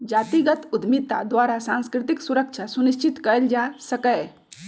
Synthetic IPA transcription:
d͡ʒat̪iɡət̪ud̪ʱmit̪ːa̰d̪waɾasãnskɾɪt̪iksuɾək̚t͡ʃʰasuniʃt͡ʃit̪kəld͡ʒasəkə

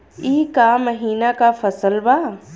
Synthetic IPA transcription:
iːkaməɦiːnakafɐsəlbaː

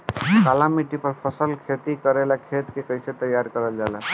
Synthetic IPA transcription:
kalamiʈipəɾpʰəsəlkʰet̪ikəɾelakʰet̪kekəjset̪əjːaɾkəɾəld͡ʒala

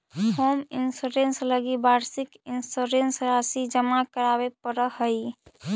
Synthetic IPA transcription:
hoːmɪnsuɾẽnsləɡibaːɾsɪkɪnsuɾensɾasid͡ʒəmakəɾaːwepəɾəɦəi

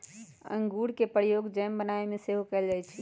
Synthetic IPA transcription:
ə̰ŋɡuɽkepɾijoɡd͡ʒəmbənaemeseɦokɛld͡ʒajt͡ʃʰi

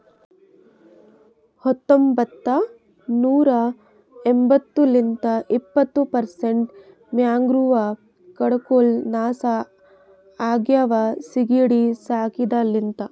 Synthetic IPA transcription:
hɐt̪ːombɐt̪ːɐ | nuːɾɐ | embɐt̪ːulint̪ɐʔipːɐt̪ːupɐɾseɳʈ | mjaːŋɡɾuʋɐ | kɐɽɐkoːlnaːsa | aːɡjaːʋɐsiɡiɽisaːkid̪ɐlint̪ɐ

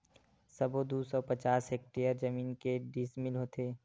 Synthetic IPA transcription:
sɐbod̪usɔːpɐt͡ʃaːsɦeːk̚ʈejəɾd͡ʒɐmiːnkeɖismɪlɦoːt̪ʰeː

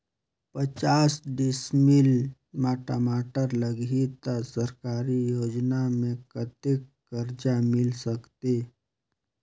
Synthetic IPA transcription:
pət͡ʃaːsɖɪsmɪl | maːʈamaːʈəɾləɡit̪asəɾkaːɾijoːd͡ʒnamẽkət̪ɪkːəɾd͡ʒamɪlsəkt̪eː

